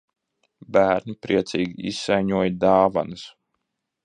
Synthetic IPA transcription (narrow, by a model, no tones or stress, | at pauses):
bæːɾnʲipɾiɛt̪siːɡʲiisːajɲuɔjd̪aːva̰nɨs